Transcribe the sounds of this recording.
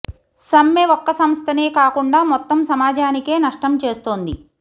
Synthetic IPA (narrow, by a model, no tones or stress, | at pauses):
sɐmːeʋɔkːɐsɐmst̪ʰɐneːkaːkuɳɖaːmɔt̪ːɐmsɐmaːd͡ʒaːnike̞ːnɐʂʈɐmt͡ʃe̞ːst̪oːnd̪i